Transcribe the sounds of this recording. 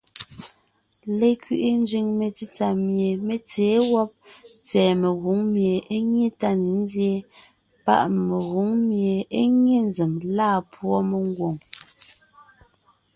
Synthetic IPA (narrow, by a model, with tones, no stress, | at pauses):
le˨kɥi˨ʔi˦n˦d͡ʒɥi˨ŋme˨t͡si˦t͡sa˨mje˨me˨t͡seː˨˦wɔ˦p̚t͡sɛː˨me˨ɣu˨˦ŋmje˨e˦ɲje˦ta˦ne˨˦n˦dje˦ | pa̰˦˨ʔme˨ɣu˨˦ŋmje˨e˦ɲe˦˨n˦d͡zə˨mlaː˦˨pwɔ˦me˨ŋ˦ɡwo˨ŋ